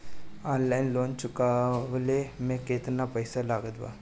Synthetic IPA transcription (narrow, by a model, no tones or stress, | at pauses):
ɔ̃ːnlaɪnloːnt͡ʃʊkaʋlemẽket̪napəɪsalaːɡəd̪ba̰ː